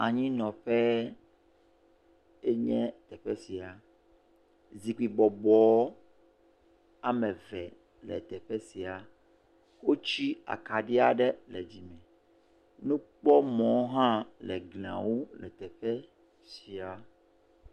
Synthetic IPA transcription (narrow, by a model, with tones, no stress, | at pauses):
a˨ɲĩ˦nɔ̃˨ɸɛ˦ | e˦ɲɛ̃˦t̪ɛ˨ɸɛ˦si˨a˨ | zi˨k͡pi˨bɔ˨bɔ˨˦ | a˦mɛ̃˨vɛ˨ | lɛ̰˨t̪ɛ˨ɸɛ˦si˨a˨ | wo˦t͡ɕi˦a̰˨ka˨ɖi˦a˨ɖɛ˦lɛ˨d͡ʑi˨mɛ̃˨ | nũ˦k͡pɔ˦mɔ̃˨˦ɦã˦lɛ̰˨ɡlã̰˨wo˦lɛ˨t̪ɛ˨ɸɛ˦ | si˨a˨